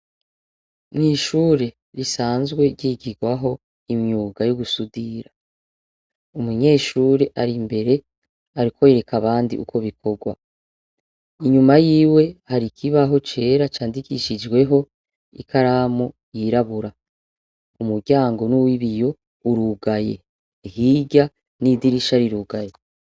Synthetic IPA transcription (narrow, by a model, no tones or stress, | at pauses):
nŋiːʃuːɾe̞ | ɾisaːnzɡwe̞ɡɟiɡiɡwaɦo̞ | imɲuːɡajuɡusudiɾa | umuɲe̞ːʃuːɾe̞ʔaɾimbe̞ɾe̞ | aɾikʰo̞eɾekaβaːndḭʔṵkʰo̞βikʰo̞ɡwa̰ | iɲumajiːwe̞haɾikʰiβaɦo̞t͡ʃe̞ːɾat͡ʃaːndikiʃid͡ʒɡwe̞ɦo̞ | ḭkʰaɾamo | jiɾaβuɾa | umubɟaːŋɡo̞nuwiβijo̞ | uɾuɡajḛ | hiɟa | nidiɾiʃaɾiɾuɡaje